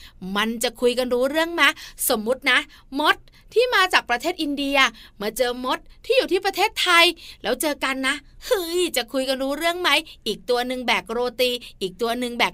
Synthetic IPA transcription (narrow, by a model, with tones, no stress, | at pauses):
ma˧nt͡ɕa˨˩kʰu˧jka˧nɾuː˦˥ɾɯ˥˩əŋma˦˥so˩˦mːu˦˥t̪̚na˦˥ʔ | mo˦˥t̪̚ʰːiː˥˩maː˧t͡ɕaː˨˩k̚pɾa˧t̪ʰeː˥˩t̪ʔi˧ndi˧a˧maː˧t͡ɕɤː˧mo˦˥t̪̚ʰːiː˥˩juː˨˩t̪ʰiː˥˩p̬ɾa˧t̪ʰeː˥˩t̪ʰːa˧jlɛː˦˥wt͡ɕɤː˧ka˧nːa˦˥ʔɯ˧jt͡ɕa˨˩kʰu˧jka˧nɾuː˦˥ɾɯ˥˩əŋma˦˥jʔiː˨˩k̚t̪u˧ɐnɯ˧ŋbɛː˨˩k̚ɾoː˧t̪iː˧ʔiː˨˩k̚t̪u˧ɐnɯ˧ŋbɛː˨˩k̚